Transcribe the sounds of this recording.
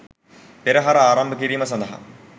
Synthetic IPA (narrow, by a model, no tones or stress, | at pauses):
peɾɐɦɐɾaːrɐmbʱɐkiɾimɐsɐnd̪ɐɦɐ̰